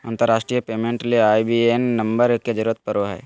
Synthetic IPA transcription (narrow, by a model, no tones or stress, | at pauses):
ãːnt̪əɾːaːʃʈɾijəpeːmẽɳʈleaːibienːɐmbəɾked͡ʒəɾuɾət̪̚pɐɾoɦɛ̰ː